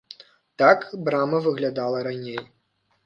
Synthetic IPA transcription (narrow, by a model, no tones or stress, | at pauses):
t̪akbɾamɐvɨɣlʲad̪alˠɐɾanʲej